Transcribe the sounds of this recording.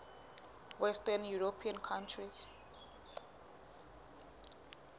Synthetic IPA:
wɛstanjuɹopʰiãnkʰãntʰriz

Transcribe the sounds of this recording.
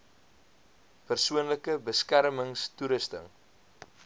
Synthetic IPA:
pərsuənləkəbəskærməŋstuɾəstə̰ŋ

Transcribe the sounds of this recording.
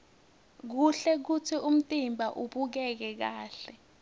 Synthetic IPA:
k̬uɬɛk̬utʰium̩tʼimbʱaʔuɓuk̬ɛk̬ɛk̬aːɬɛ

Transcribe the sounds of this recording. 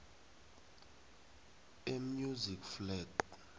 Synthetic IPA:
emjuzikflɛǃ

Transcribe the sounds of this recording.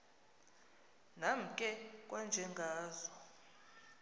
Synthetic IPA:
nam̩kʼɛkʼwand͡ʒʱɛŋɡʱaːzɔ

